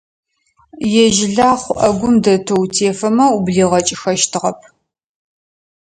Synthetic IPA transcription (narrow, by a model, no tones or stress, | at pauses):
jɛʒɪɮaːχʷʊʔɐɡʷʊmdɐtʰowtʰeːfɐmɐubɮiːʁɐt͡ʃʼɪxɐʃtʰɨʁɐp̚ʰ